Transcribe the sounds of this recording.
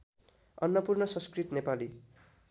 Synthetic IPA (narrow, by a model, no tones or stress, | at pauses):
ʌnːʌpurnʌsʌ̃nskrit̪nepali